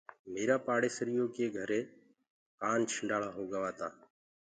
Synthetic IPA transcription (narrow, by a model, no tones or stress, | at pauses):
meːɾaːpaːɽeːsəɾɪjoːkeːɡʱəɾeː | kaːnt͡ʃʰəɳɖaːɭaːɦoːɡəʋaːt̪aː